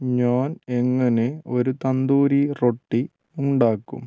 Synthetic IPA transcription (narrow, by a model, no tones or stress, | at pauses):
ɲaːne̞ŋːɐne̞o̞ɾut̪ɐnd̪uːɾiro̞ʈːi | uɳɖaːkːṵm